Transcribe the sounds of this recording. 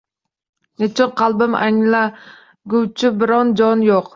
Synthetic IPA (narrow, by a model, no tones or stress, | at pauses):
net͡ʃʰɪnqʰɑlˠbɪmæ̰ŋla | ɡʲuwt͡ʃʰɪbɪɾɑnd͡ʒɒnjoq